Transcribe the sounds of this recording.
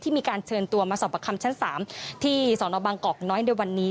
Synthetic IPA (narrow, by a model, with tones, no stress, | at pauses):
t̪ʰiː˥˩miː˧kaː˧nt͡ɕʰɤː˧nt̪u˧ɐmaː˧sɔː˨˩pʰːa˧kʰa˧mt͡ɕʰa˦˥nsaː˩˦mt̪ʰiː˥˩sɔː˩˦nɔː˧˦baː˧ŋkɔː˨˩k̚nɔː˦˥jnu˥˩˨jwa˧nːiː˦˥